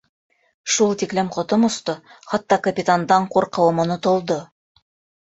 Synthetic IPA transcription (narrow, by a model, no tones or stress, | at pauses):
ʃulˠt̪iklemqʰŏt̪ɤmŏst̪ɤχɑt̪ːɑkapʲit̪and̪ɑɴqʰoɾqɤ̆wəmŏnot̪ŏlˠd̪ɤ